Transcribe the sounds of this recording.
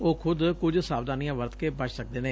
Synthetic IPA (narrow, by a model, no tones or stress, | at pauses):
oːkʰʊd̪kʊd͡ʒsaːbd̪aːnijãːʋəɾt̪keːbət͡ʃʰsək̚d̪eːneː